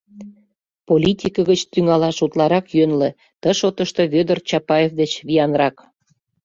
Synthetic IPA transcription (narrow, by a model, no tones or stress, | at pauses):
polʲit̪ʲikəɣət͡ɕt̪yŋɑlɑʃut̪lɑɾɑkjønlĕ | t̪əʃot̪əʃt̪ɤ̽βød̪ərt͡ɕɑpɑjevd̪et͡ɕβiɑnrɑk